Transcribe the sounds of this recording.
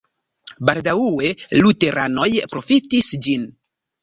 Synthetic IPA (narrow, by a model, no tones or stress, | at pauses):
baldawuwe̞lute̞ɾʔano̞jpɾo̞fitisd͡ʒin